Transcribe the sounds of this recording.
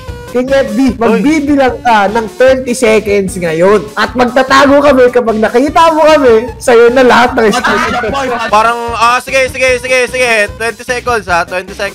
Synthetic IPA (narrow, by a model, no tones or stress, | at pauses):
kɪŋɛt̪̚b̪imɐɡbiːbɪlɐŋkanɐŋt̪wɛnt̪isɛkɛnd̪sŋɐjonʔɐt̪̚mɐɡ̚t̪at̪aːɡokɐmɛkɐpaɡ̚nɐkiːt̪ɐmokɐmɛsɐjonɐlɐhat̪̚nɐŋɪst̪ut̪ɐɐpaːɾɐŋasɪɡɛsɪɡɛsɪɡɛsɪɡɛt̪wɛnt̪ɪsɛkond̪sat̪wɛnt̪isɛk